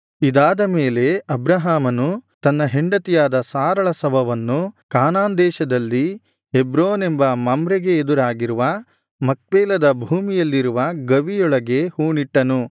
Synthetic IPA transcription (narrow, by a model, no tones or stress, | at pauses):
id̪aːd̪ɐmeːle̞ɐbɾɐɦaːmɐnut̪ɐnːɐɦeɳɖɐt̪ijaːd̪ɐsaːɾɐɭɐsɐbʱɐʋɐnːukaːnaːnd̪ɛːʃɐd̪ɐlːi | ebɾoːne̞mbɐmɐmbɾeɡe̞ːd̪uɾaːɡiɾuʋɐ | mɐk̚ʋɛːlɐd̪ɐbʱuːmijɐlːiɾuʋɐɡɐʋijɔɭɐɡe̞huːɳiʈːɐnu